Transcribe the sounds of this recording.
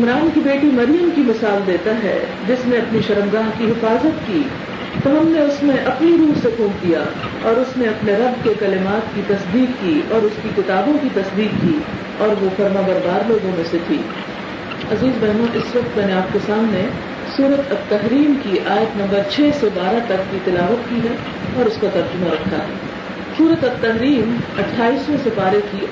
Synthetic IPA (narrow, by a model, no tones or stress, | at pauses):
ɪmɾaːnkibeːʈimɐɾijəmkimɪsaːld̪eːt̪aɦɛ̰ː | d͡ʒɪsnẽɐpniʃɐɾəmɡaːɦkiɦɪfaːzət̪kiː | t̪oɦɐmneʊsmẽʔɐpniɾuːɦsekʰũːnd̪ija̰ | ɔːɾʊsnẽɐpneɾɐbkekɐlɪmaːt̪kit̪ɐsd̪iːkːiɔːɾʊskikɪt̪aːbõkit̪ɐsd̪iːkːi | ɔːɾʋofɐɾmabɐɾb̪aːɾloːɡõmẽset̪ʰḭː | ɐziːzbɐɦmãʔɪsʋɐq̚t̪mɛːneaːp̚kesaːmne | suːɾət̪ɐt̪ːɐɦɾiːmkiʔaːjət̪nɐ̃mbəɾt͡ʃʰɛːsebaːɾat̪ɐkːit̪ɪlaːʋət̪kiɦɛ | ɔːɾʊskat̪ɐɾd͡ʒʊmaɾɐkʰːaɦɛ̰ | suːɾət̪ɐt̪ːɐɦɾiːmɐʈʰːaːiːsmẽsepaːɾeki